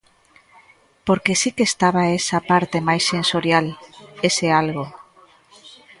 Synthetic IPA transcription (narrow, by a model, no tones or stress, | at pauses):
poɾkesikest̪aβaesapaɾt̪emajsːẽnsoɾjalesealɣo